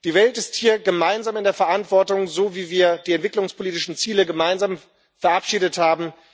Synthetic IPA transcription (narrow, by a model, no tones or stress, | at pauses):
d̥iːvɛltɪsthiːɐɡəmaɪnzaːmɪndeːɐfɛɐʔantv̥ɔɐtʊŋzoːviːviːɐd̥iːɛntv̥ɪklʊŋspʰoliːtɪʃn̩t͡siːləɡəmaɪnzaːm | fɛɐʔapʃiːdəthaːbm̩